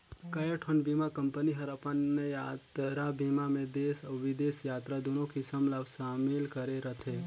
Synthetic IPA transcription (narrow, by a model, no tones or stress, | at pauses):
kəjeʈʰonbimakəmpəniɦəɾapanːəjat̪ɾabimamẽd̪esəʋid̪esjaːt̪ɾad̪onokisəmlabsamilkəɾeɾət̪ʰe